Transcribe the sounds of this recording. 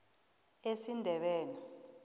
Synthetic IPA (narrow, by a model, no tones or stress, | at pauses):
esindʱɛɓɛːni